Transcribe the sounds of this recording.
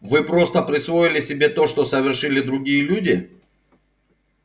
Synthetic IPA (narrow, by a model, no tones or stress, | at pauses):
vɨpɾo̞st̪əpɾʲɪsvo̞ɪlʲɪsʲɪbʲe̞t̪o̞ʂt̪o̞səvʲɪrʂɨlʲɪd̪ɾʊɡʲijəlʲudʲɪ